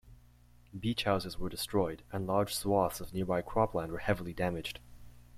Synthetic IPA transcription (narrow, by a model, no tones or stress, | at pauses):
bit͡ʃhaʊzɨzwə˞dɨstɹ̥ɔɪɾɨ̃nlɑɹd̥ʒ̥swɔθsʌvnɪɹbaɪkʰɹ̥ɑplæ̃nd̚wə˞hɛvl̩ˠidæmɨ̥d͡ʒd̥